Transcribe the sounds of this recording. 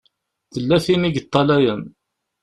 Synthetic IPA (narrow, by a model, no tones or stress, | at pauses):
θəlːæθimiɡət̪ˤːɑlæjən